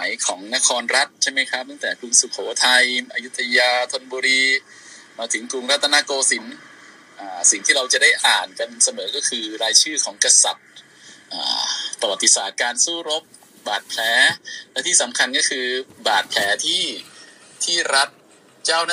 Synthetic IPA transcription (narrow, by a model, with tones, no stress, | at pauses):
jkʰɔː˩˦ŋna˦˥kʰɔː˧nɾa˦˥t̪̚t͡ɕʰa˥˩jma˦˥˩jkʰɾa˦˥p̚t̪a˥˩ŋt̪ɛː˨˩klu˧ŋsu˨˩kʰoː˩˦t̪ʰa˧jʔaː˧ju˦˥t̪ʰːa˧jaː˧t̪ʰo˧nbuː˧ɾiː˧ | maː˧t̪ʰɯ˩˦ŋkɾu˧ŋɾa˦˥t̪ʰːa˧naː˧˥˩koː˧si˩˦n | ʔaː˨˩si˨˩ŋt̪ʰiː˥˩ɾa˧wt͡ɕa˨˩da˥˩jʔaː˨˩nka˧nsa˧mɤː˩˦kɔː˥˩kʰɯː˧ɾaː˧jt͡ɕʰɯː˥˩kʰɔː˩˦ŋka˧sa̰˨˩t̪̚ | ʔa̰ː˨˩pːɾa˧wa˨˩t̪ːi˧saː˨˩t̪̚kaː˧nsuː˥˩ɾo˦˥p̚ | baː˨˩t̪̚pʰlɛː˨˩˦lɛ˦˥t̪ʰiː˥˩sa˩˦mkʰa˧nkɔː˥˩kʰɯː˧baː˨˩t̪̚pʰlɛː˩˦t̪ʰiː˥˩ | t̪ʰiː˥˩ɾa˦˥t̪̚ | t͡ɕaː˥˩wna˥